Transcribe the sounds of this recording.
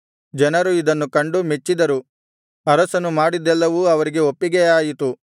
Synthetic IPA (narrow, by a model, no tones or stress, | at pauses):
d͡ʒɛnɐɾuid̪ɐnːukɐɳɖumet͡ʃːid̪ɐɾu | ɐɾɐsɐnːumaːɽid̪ɛlːɐʋuɐʋɐɾiɡe̞opːiɡejaːjit̪u